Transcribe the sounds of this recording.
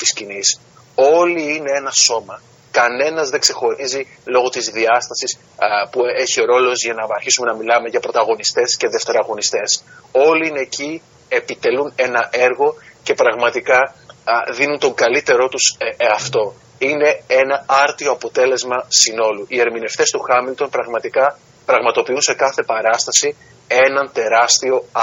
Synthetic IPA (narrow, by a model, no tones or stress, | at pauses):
t̪i̥scinis | o̞liine̞e̞nɐso̞mɐ | kɐne̞nɐzðe̞ɡse̞xo̞ɾizi | lo̞ɣo̞t̪izðiɐst̪ɐsis | pue̞çio̞ɾo̞lo̞zʝɐnɐɐɾçisume̞nɐmilɐme̞ʝɐpɾo̞t̪ɐɣo̞nist̪e̞sce̞ðe̞ft̪e̞ɾɐɣo̞nist̪e̞so̞liine̞ːci | e̞pit̪e̞lune̞nɐʔe̞ɾɣo̞ce̞pɾɐɣmɐt̪ikɐ | ðinunt̪o̞ŋɡɐlit̪e̞ɾo̞t̪usɐft̪o̞ | ine̞e̞nɐɐɾt̪ioɐpo̞t̪e̞le̞zmɐsino̞luʔie̞ɾmine̞ft̪e̞st̪uxɐmilt̪o̞npɾɐɣmɐt̪ikɐ | pɾɐɣmɐt̪o̞piunse̞kɐθe̞pɐɾɐst̪ɐsi | e̞nɐnt̪e̞ɾɐst̪io̞